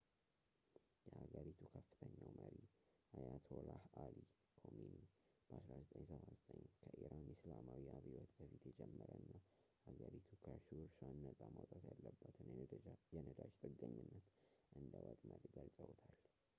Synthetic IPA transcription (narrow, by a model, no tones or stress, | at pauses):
jɛhaɡəɾit̪ʰukʰəfːɨ̥t̪ʰəɲːawməɾiʔajat̪ʰolahali | kʰominib̥əʔasɾazət̪ʼəɲsəβazət̪ʼəɲkʰəʔiɾanɪslamawiʔaβhiwɔt̪ʼbəfit̪jɛd͡ʒɛmːəɾənːahaɡəɾit̪ʰukʰəʃuɾsanːət̪ʼamat̪ʼat̪jalːəbːət̪ʰɨnjɛnəd̪aʃt̪ʼɨɡːəɲːɨnːət̪ʔɨnd̪əwət̪ʼməɾiɡəlsʼəwt̪ʰal